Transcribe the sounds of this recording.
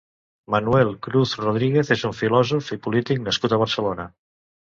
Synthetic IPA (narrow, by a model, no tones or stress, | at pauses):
mənuɛlˠkɾuθruð̞ɾiɣ̞eθezuɱfilɔzufipulit̪ik̚nəskut̪əβ̞əɾsəlonə